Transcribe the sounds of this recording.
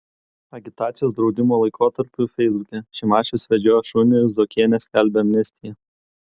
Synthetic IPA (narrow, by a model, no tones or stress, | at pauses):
ɐɡʲɪt̪ɑːt̪sʲɪjoːsd̪ɾɒʊd̪ʲɪmoːlˠɐɪkʰoːt̪ɐɾʲpʲʊfʲɛɪzbʊkʲɛʃʲɛɪmɑːt͡ʃʲʊsʋʲɛd͡ʒʲoːjɛʃʊnʲʊjʊzɔkʲeːnʲesʲkʲælʲbʲɛɐmʲnʲɛsʲt̪ʲɪjɛ